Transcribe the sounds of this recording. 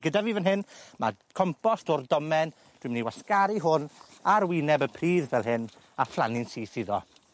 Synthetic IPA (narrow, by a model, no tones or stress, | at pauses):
ɡ̥ədaviːvənɦɪnmakʰɔmpɔstʰɔrdɔmɛn | d̥wɨmniwaskaɾiɦʊnaɾwinɛbəpʰriːðvɛlˠɦɪn | aflˠanɪnsiːsɪðɔ̰